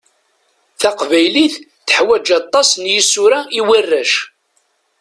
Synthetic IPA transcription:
θæqvæjliθ | θə̥ħwæd͡ʒɑt̪ˤːɑsˤnjisːuɾæiwirːæʃ

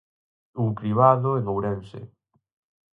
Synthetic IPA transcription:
ukɾiβaðoenowɾɛnsḛ

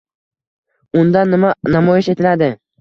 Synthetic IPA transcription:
ʊnd̪anmanamɒjɪʃe̞t̪ʰɪlad̪ɪ

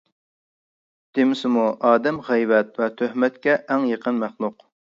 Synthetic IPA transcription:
d̪̥ɪmɪsɪmuʔɑːd̪ɛmʁɛjvɛt̪vɛt̪ʰøhmɛt̪kʲɛʔɛŋjəqʰənmæχlˠʊq

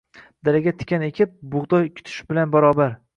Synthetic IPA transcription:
d̪̥aɾaɡʲat̪ʰɪ̥kʲʰane̞kʲʰɪp̚bʊʁd̪ɒjkʲʰʊ̥t̪ʰʊ̥ʃbɪlanbaɾɒːbaɾ

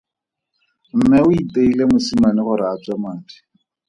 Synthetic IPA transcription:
m̩mɛʊiteilemʊsimanɪχʊɾɪat͡swamaːti̥

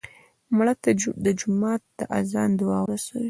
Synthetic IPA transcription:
mɽat̪d̪əd͡ʒʊmɑt̪̚d̪̥əʔazɑnd̪wɑwɾasawi

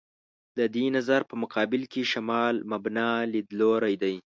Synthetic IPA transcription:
d̪əd̪inazaɾpəmʊqɑbɪlkeʃamɑlmabnɑlid̪loɾajd̪aj

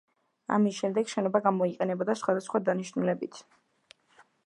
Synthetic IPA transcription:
a̰misʃɛmd̪ɛɡʃɛnɔbaɡamɔiqʼɛnɛbɔd̪asχwad̪asχwad̪aniʃnulɛbit̪ʰ

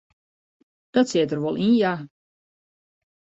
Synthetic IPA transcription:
d̥ɔtsiətərʋɔlˠʔĩnja

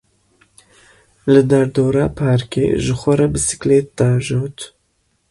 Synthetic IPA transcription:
lɨd̪ɐɾd̪oːɾaːpʰaːɾkḛːʒɨxʷɐɾɐbɨsɪ̥kleːt̪ːaːʒoːt̪

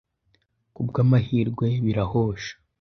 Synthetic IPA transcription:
kubɡaːmahiːɾɡwe̞βiɾahoːʃḁ

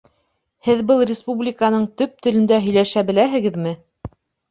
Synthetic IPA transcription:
hɘðbɤlˠrʲɪspublʲɪkanɤɴt̪ɵp̚t̪ɵ̆lɵ̆nd̪æɦɵ̆jlæʃæbɘ̆læɦɘ̆ɡɘðmɘ

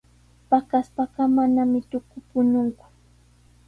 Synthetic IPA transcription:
pakaspaɢɑmanamɪt̪ʊkʊpʊnʊŋkʊ̥

